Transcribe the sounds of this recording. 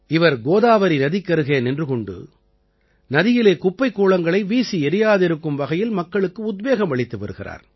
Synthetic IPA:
ɪʋɐɾɡoːðaːʋɐɾinɐðɪkːɐɾɯɣeːnɛndrɯkɔɳɖɯ̰ | nɐðɪjɪleːkʊpːɐɪkːoːɭɐŋɡɐɭɐɪʋiːsiɛɾɪjaːðɪɾɯkːɯmʋɐɣɐjɪlmɐkːɐɭɯkːɯʊd̪̚beːɣɐmʋɐɭɪt̪ːɯʋɐ̰ɾɯɣɪra̰ːɾ

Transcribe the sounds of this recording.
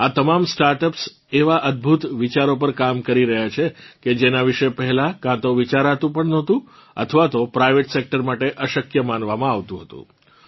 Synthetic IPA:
at̪əmamsʈaɾʈəps | eʋaʔəd̪̚bʱut̪ʋit͡ʃaɾop̬əɾkamkəɾiɾəɦjat͡ʃʰeked͡ʒenaʋiʃepəɦɛlakãt̪oʋit͡ʃaɾat̪ũpəɳnɔt̪ũ | ə̰t̪ʰʋat̪opɾajʋeʈsek̚ʈəɾmaʈeʔəʃəkjəmanʋamãaʋt̪ũɦət̪ṵ̃

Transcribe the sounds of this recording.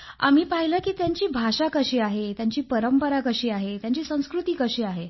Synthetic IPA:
a̰m̤iːpaɦiləkiːt̪jaɲt͡ɕiːbʱaʂakəɕiːaɦet̪jaɲt͡ɕiːpəɾəmpəɾakəɕiːaɦet̪jaɲt͡ɕiːsə̃w̃skɾut̪iːkəɕiːaɦe

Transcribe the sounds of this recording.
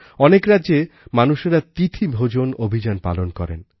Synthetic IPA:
ɔnekɾadːʑe | manuʃeɾat̪it̪ʰibʱod͡ʑonobʱid͡ʑanpa̰lonkɔɾḛn

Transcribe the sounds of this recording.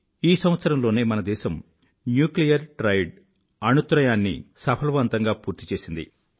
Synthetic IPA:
iːsɐmʋɐt̪sɐɾɐmlo̞ːneːmɐnɐd̪ɛːʃɐm | njuːklijɐɾʈɾɐjɖ | ɐnut̪ɾɐjaːnːḭsɐpʰɐlʋɐnt̪ɐŋɡaːpuːɾt̪i̥t͡ʃe̞ːsind̪ḭ

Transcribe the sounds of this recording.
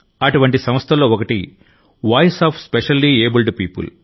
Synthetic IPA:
ɐʈuʋɐɳʈisɐmɐst̪ʰɐlo̞ːɔkɐʈḭ | ʋaːjsaːpʰspeʃɐlːiːeːbilɖpiːpṵl

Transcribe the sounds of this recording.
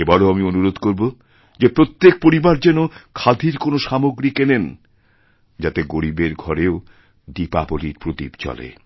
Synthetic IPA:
ebɔɽeamionuɾod̪ʱkoɾbo | d͡ʑepɾot̪ːek̚poɾibaɾd͡ʑɛnokʰad̪ʱiɾkonoʃamoɡɾikenen | d͡ʑat̪eɡoɾibeɾɡʱɔɾeo | dipa̰boliɾpɾot̪ḭbt͡ɕɔ̰lḛ

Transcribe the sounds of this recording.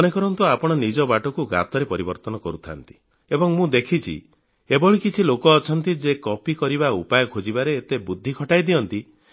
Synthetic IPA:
ɔnekɔɾɔnt̪uapɔɽ̃ɔnid͡ʒɔbaʈɔkuɡa̰t̪ɔɾepɔɾibɔɾt̪ɔnɔkɔɾut̪ʰa̰nt̪i̥ | ebɔŋmũd̪ekʰit͡ʃʰḭ | ebɔɭikit͡ʃʰilokɔːt͡ʃʰɔn̪t̪id͡ʒekɔpikɔɾiβaupajɔkʰod͡ʒibaɾeːt̪ebud̪ʱːikʰɔʈajd̪iɔnt̪i

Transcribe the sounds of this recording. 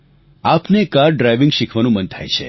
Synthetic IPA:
apnekaɾɖɾajʋɪ̃ŋɡʃikʰʋanũmənt̪ʰa̰jt͡ʃʰḛ

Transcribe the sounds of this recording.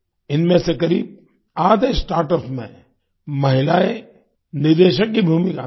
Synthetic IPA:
ɪnmẽsekɐɾiːb̚ | aːd̪esʈaːɾʈəpmḛ̃ | mɐɦɪlaːe | nɪɾd̪eːʃək̚kibʱuːmika̰

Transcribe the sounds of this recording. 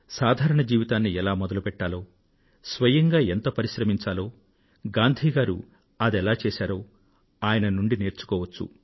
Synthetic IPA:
saːd̪ʱaːɾɐɳɐd͡ʒiːʋit̪aːnːiɛlaːmɔd̪ɐlupɛʈːaːloː | sʋɐjɐŋɡaːɛnt̪ɐpɐɾiʃɾɐmiɲt͡ʃaːlo̞ː | ɡaːnd̪ʱiːɡaːɾṵ | ɐd̪ɛlaːt͡ʃeːsaːɾoː | aːjɐnɐnuɳɖine̞ːɾt͡ʃu̥kɔːʋɐt͡ʃːṵ

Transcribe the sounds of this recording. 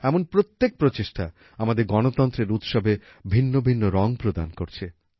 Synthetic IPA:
ɛmonpɾot̪ːek̚pɾot͡ɕeʃʈʰa | amad̪eɾɡɔnot̪ɔnt̪ɾeɾut̪ʃɔbe | bʱinːobʱinːoɾɔŋpɾod̪a̰nkoɾt͡ɕʰe

